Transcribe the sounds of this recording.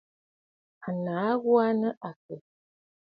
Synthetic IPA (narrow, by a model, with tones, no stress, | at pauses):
a˨na˨˦ɣwa˦nə˦ʔa˨k̚ə˨